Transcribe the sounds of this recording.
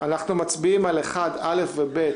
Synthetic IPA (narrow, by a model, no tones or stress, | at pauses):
anaχnumat͡sbiimaleχadalefvebe̞t